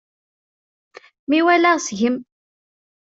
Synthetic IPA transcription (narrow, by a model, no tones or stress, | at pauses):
miwælæʁsʝəm